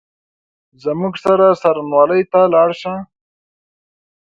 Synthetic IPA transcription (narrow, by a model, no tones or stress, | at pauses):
zəmuɡsaɾasaɾnwɑːləjt̪alɑːɽʃã